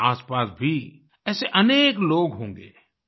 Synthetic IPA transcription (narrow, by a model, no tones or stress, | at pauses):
aːspaːsbʱi | ɛːseʔɐneːkloːɡɦõːŋɡḛː